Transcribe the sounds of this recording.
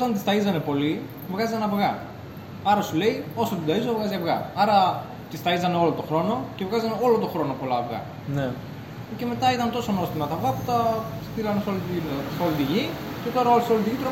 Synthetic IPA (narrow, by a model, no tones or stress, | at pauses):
ot̪ɐnt̪ist̪ɐizɐne̞po̞li | vɣɐzɐnɐvɣɐ | ɐɾɐsule̞io̞sot̪id̪ɐizovɣɐziɐvɣɐ̰ɐɾɐ | t̪ist̪ɐizɐne̞o̞lot̪o̞xɾo̞no̞ce̞vɣɐzɐne̞o̞lo̞t̪o̞xɾo̞no̞polɐvɣɐ̰ | ne | ce̞me̞t̪ɐit̪ɐnt̪o̞sonost̪imɐt̪ɐːvɣɐput̪ɐst̪ilɐnesolit̪seolit̪iʝice̞t̪o̞ɾɐoliseolit̪icit̪ɾo